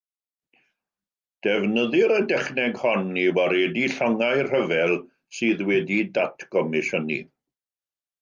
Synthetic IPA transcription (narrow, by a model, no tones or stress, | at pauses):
d̥ɛvnəðɪɾədɛχnɛɡhɔnːiwaɾɛdiɬɔŋajr̥əvɛlˠ | sɨːðwɛdidatʰɡɔmɪʃənḭ